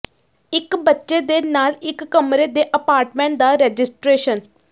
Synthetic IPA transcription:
ɪkbətːʃeːd̪eːnaːlɪkːəmɾeːd̪eːʔəpaːɾʈmɛ̃ːɳʈ̚d̪aːɾɛːd͡ʒɪsʈɾeːʃən

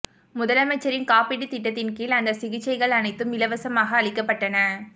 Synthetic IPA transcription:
mʊðɐlɐmɐt͡ʃːɐɾɪnkaːpɪɽit̪ɪʈːɐt̪ːɪnkiːlɐnd̪ɐsɪɣɪt͡ʃːɐɪɣɐɭɐnɐɪt̪ːɯmɪlɐʋɐsɐmaːɣɐːɭɪkːɐpːɐʈːɐnɐ

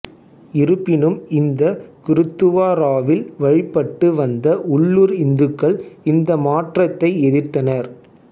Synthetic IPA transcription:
ɪɾɯpːɪnɯmɪnd̪ɐkɪɾɯt̪ːɯʋaːɾaːʋɪlʋɐɻɪpːɐʈːɯʋɐnd̪ɐʔʊɭːuɾɪnd̪ɯkːɐɭɪnd̪ɐmaːʈrɐt̪ːɐɪɛðɪrt̪ːɐnɐɾ

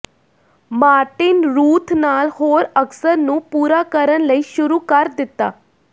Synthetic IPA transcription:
maːɾʈɪnɾuːt̪ʰnaːlhoːɾəksəɾnũːpuːɾaːkəɾənləiːʃʊɾuːkəɾd̪ɪt̪ːaː

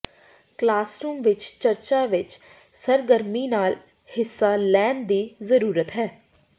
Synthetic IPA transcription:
klaːsɾuːmʋɪt͡ʃt͡ʃəɾt͡ʃaːʋɪt͡ʃ | səɾɡəɾmiːnaːl | hɪsːaːlɛːnd̪iːzəɾuːɾət̪ɦɛː

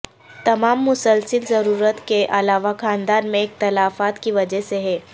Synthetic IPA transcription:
t̪ɐmaːmːʊsəlsəlzɐɾuːɾət̪keʔɐlaːʋakʰaːnd̪aːnmẽeːk̚t̪ɐlaːfaːt̪kiʋɐd͡ʒəɦseɦɛː

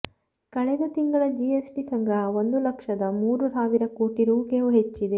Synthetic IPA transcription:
kɐɭɛd̪ɐt̪iŋɡɐɭɐd͡ʒiesʈisɐŋɡao̞nd̪ulɐkʂɐd̪ɐmuːɾusaːʋiɾɐkoːʈiɾuːkeʋuɦet͡ʃːid̪e

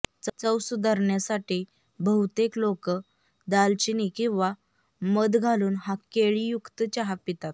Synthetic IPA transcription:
t͡sət͡səwsud̪ʱaɾɳjasaʈi | bəɦut̪eklokə | d̪alt͡ɕinikĩw̃ʋa | məd̪ɡʱaluːnɦakeɭijukt̪ət͡ɕaɦapit̪at̪̚

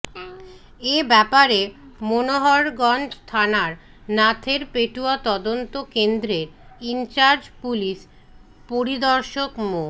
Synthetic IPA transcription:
ebɛpaɾemonoɦɔɾɡɔnd͡ʒt̪ʰanaɾ | nat̪ʰeɾpeʈuat̪ɔd̪ont̪okend̪ɾeɾint͡ɕaɾd͡ʑpuliʃ | poɾid̪ɔɾʃokmo

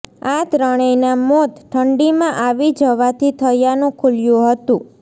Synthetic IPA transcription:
at̪ɾəɽ̃əjnamot̪ʈʰəɳɖimãʔaʋid͡ʒəʋat̪ʰit̪ʰəjanũkʰuljũɦət̪ũ

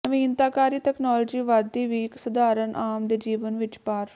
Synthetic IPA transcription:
əʋĩːnt̪aːkaːɾiːt̪ɛːknɔːld͡ʒiːʋaːd̪iːʋiːksʊd̪aːɾənʔaːmd̪eːd͡ʒiːʋənʋɪt͡ʃpaːɾ

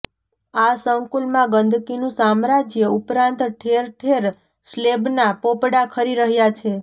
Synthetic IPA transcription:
asəŋkulmãɡənd̪ʱkinũsamɾad͡ʒjəupɾãnt̪ʈʰeɾʈʰeɾ | slebnapopɽakʰəɾiɾəɦjat͡ʃʰe

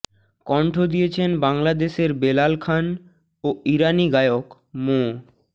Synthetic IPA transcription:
kɔɳʈʰod̪ijet͡ɕʰenbaŋlad̪eʃeɾbelalkʰan | oiɾaniɡaeok | mo

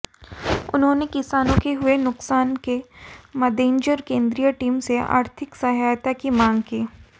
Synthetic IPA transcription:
ʊ̰nɦõːnekɪsaːnõkeɦʊenʊksaːnkemɐd̪ẽːɲd͡ʒəɾkẽːnd̪ɾijəʈiːmsea̰ːɾt̪ʰɪksɐɦaːjt̪akimãːŋɡkiː

